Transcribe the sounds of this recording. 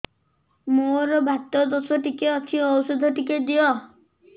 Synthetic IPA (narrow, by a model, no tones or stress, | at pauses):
moɾɔbʱat̪ɔd̪osɔʈikeɔt͡ʃʰiɔwsɔd̪ʱɔʈiked̪iɔ